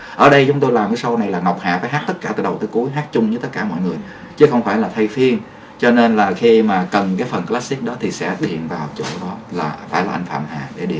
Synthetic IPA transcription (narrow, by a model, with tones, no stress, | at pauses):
ʔəː˧˩ɗə˧jt͡ɕʊ˨˦ŋ͡mt̪o˧jlaː˨˩mkaː˨˦jsə˧wna˨˩jlaː˨˩ŋa˨˩wk͡p̚ha̰ː˨faː˧˦jɦaː˦˥k̚t̪ə˦˥t̚kaː˧˩t̪ɨː˧˩jɗə˨˩wt̪əː˨˦ku˨˦əjɦaː˦˥t̚t͡ɕʊ˧ŋ͡mt͡ɕɨ˧t̪ə˦˥t̚kaː˧˩mɔ̰˧˨jŋɨ˨˩əj | t͡ɕɨ˨˦xə˧wŋ͡mfaː˧˩jlaː˨˩t̪ʰa˧jfi˧ən | t͡ɕɔ˧ne˧nlaː˨˩xi˧maː˨˩kə˨˩nkaː˨˦jfə˨˩nklaː˦˥si˦˥k̚ɗɔ˨˦t̪ʰi˨˩sɛ̰˧˥ɗḭ˧˩ənvaː˨˩h̚t͡ɕo̰˧˩ɗɔ˨˦laː˨˩faː˧˩jlaː˨˩ʔa˧jŋ̟fa̰ː˧˨mha̰ː˨ɗe˧˩ɗḭ˧˩˨